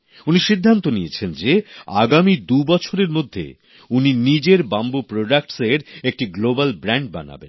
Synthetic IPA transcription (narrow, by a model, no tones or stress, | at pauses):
uniʃid̪ʱːant̪onijet͡ɕʰend͡ʑea̰ɡamid̪ubɔt͡ɕʰoɾeɾmod̪ʱːḛ | uninid͡ʑeɾbambupɾoɖak̚ʈseɾek̚ʈiɡlobalbɾaɳɖ̚ba̰na̰bḛn